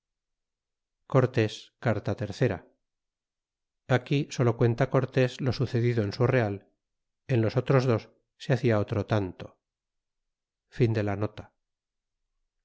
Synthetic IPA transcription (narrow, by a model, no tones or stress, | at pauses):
ko̞ɾt̪e̞skaɾt̪at̪e̞ɾθe̞ɾa | akiso̞lo̞kwe̞nt̪ako̞ɾt̪e̞zlo̞suθe̞ðiðoensure̞al | e̞nlo̞so̞t̪ɾo̞zðo̞sː | eaθiaot̪ɾot̪ant̪o̞̥ | find̪e̞lano̞t̪ḁ